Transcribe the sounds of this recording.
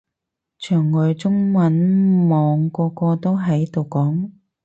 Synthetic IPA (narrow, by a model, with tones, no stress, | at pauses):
t͡ʃʰœː˨˩ŋːɔː˨˧jt͡sʊ˥ŋmɐ˨˥nmɔː˨˧ŋkɔː˧kɔː˧t̪o˥wɦɐ˨˥jt̪o˨wkɔː˨˥ŋ